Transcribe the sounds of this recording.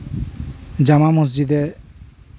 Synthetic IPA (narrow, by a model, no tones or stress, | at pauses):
d͡ʒamamos̬d͡ʒid̪ɛ